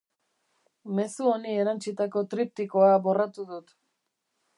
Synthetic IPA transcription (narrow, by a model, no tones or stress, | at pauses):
me̞suo̞nie̞ɾant͡ʃit̪ako̞t̪ɾip̚t̪iko̞aβo̞rat̪uðut̪